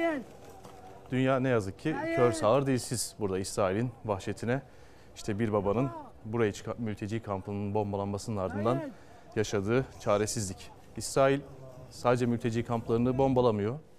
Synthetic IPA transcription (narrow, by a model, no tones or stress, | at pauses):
d̪̥ynjaːnɛjazɯkʰːicʰøɾsaːɯɾd̪ejilʲsiz̥buɾd̪aisɾaːilʲinvaxʃet̪ʰinɛ | iʃt̪ʰɛbiɾbabanɯn | buɾajat͡ʃʰɯ̥kʰanmylʲt̪ʰe̞d͡ʒiːkʰampʰˠnɯnbo̞mbalˠanmasɯnɯnaɾd̪ɯnd̪an | jaʃad̪ɯːt͡ʃʰaːɾesizlʲic | isɾaːilʲ | saːd̪ed͡ʒɛmylʲt̪ʰe̞d͡ʒiːkʰamplˠaɾɯnɯbo̞mbalˠamɯjo̞